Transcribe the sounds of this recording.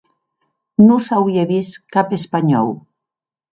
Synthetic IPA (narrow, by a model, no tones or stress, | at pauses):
nusawieβiskapespaɲɔ̰w